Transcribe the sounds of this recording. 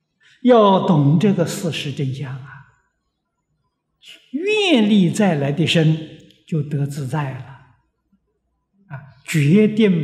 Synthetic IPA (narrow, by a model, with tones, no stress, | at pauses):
jɑ˥˩ʊt̪ʊ˨˩ŋʈ͡ʂɤ˥˩ɡə˩sɹ̩˥˩ʂɻ̩˧˥ʈ͡ʂə˥˧nɕja˥˩lə˩ | mɛ˥˧nli˥˧t͡sa˥˩ɪla˧˥ɪd̪ə˥˧ʂə˥n | t͡ɕjo˥˩ʊt̪ɤ˧˥t͡sɹ̩˥˧t͡sa˥˩ɪlə˩ | a˧˩ | t͡ɕɥɛ˧˥t̪jɛ˥˧n